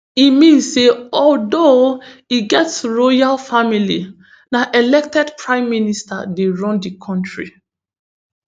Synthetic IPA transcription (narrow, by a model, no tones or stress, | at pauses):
imĩnseɔldoiɡɛtsɹɔjalfamilḭ | naʔɛlɛk̚tɛdpʰɹãɪ̃mːinista̰deɹɔ̃ndikʰɔ̃ntɹḭ